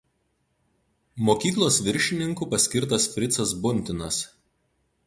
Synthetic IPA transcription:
moːkʲiːklˠoːsʋʲɪɾʲʃʲɪnʲɪŋkuːpɐsʲkʲɪɾt̪ɐsfʲɾʲɪt̪sɐsbʊnʲt̪ʲɪnɐs

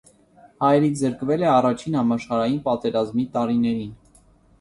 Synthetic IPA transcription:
hɑjɛɾit͡sʰzəɾkvɛlɛɑrɑt͡ʃʰinhɑmɑʃχɑɾɑjinpɑt̪ɛɾɑzmit̪ɑɾinɛɾin

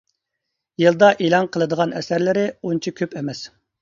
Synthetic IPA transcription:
jɨlˠd̪ɑʔelˠɑnqʰəlˠɨd̪əʁɑnɛsæɾlɪɾɪunt͡ʃʰikʲʰøpɛmɛs

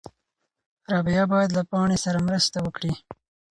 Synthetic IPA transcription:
ɾɑbijɑbɑjad̪lapɑɳ̃esaɾamɾəst̪awəkɽi

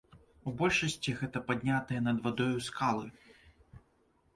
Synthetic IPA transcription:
ubɔlʲʂɐsʲt͡sʲiɣɛt̪ɐpad̪ʲnʲat̪ɐjɛnɐd̪vad̪ɔjuskalˠɨ

